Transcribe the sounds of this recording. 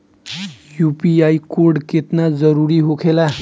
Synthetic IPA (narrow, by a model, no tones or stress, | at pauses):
jupiajkoɾɖket̪nad͡zəɾuɾiɦokʰela